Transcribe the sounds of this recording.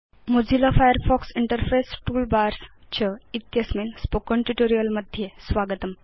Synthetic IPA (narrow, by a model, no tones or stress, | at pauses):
mod͡ʑilafajəɾfɔksiɳʈəɾfesʈuːlbaɾst͡ɕəit̪jəsmenspokəɳʈuʈoɾijəlməd̪ʱjesʋaɡət̪əm